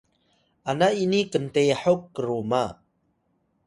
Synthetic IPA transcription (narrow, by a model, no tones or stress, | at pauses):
ʔanaʔinikənt̪ɛjħɔkːəɾoma